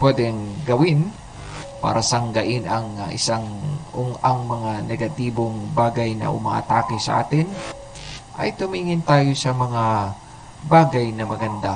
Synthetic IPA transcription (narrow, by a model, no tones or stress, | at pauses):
pwɛd̪ɛŋɡɐwɪn | pa̰ːɾɐsɐŋɡɐʔɪnɐŋʔɪ̰saŋʔoŋɐŋmɐŋanɛɡɐt̪iːbo̞ŋbaːɡɐjnɐ̰ʔʊ̰ma̰ːʔɐ̰t̪aːkɪsɐ̰ʔa̰ːt̪ɪn | ʔɐ̰jt̪ʊmiːŋɪnt̪aːjo̞sɐmɐŋa | baːɡɐjnɐmɐɡɐnd̪a